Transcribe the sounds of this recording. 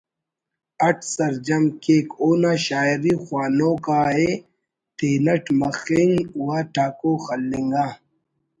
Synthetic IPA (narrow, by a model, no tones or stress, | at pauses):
ɐʈʰsɐɾd͡ʑɐmkeːkoːnaːɕaːiɾixwaːnoːkaːɦe | t̪ʰeːnɐʈmɐxiŋɡwaːʈʰaːkoːxɐlːiŋɡaː